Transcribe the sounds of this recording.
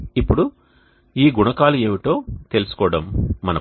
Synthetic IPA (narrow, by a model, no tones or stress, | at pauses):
ipːuɽu | iːɡuɳɐkaːlue̞ːʋiʈo̞ːt̪elusu̥kɔːɽɐmːɐnɐ